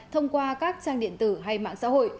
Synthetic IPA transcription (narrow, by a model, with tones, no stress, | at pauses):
t̪ʰə˧wŋ͡mkwaː˧kaː˦˥k̚t͡ɕaː˧ŋɗḭ˧˨ənt̪ɨ˧˩ɦa˧jma̰ː˧˨ŋsa̰˧˥ho̰˧˨j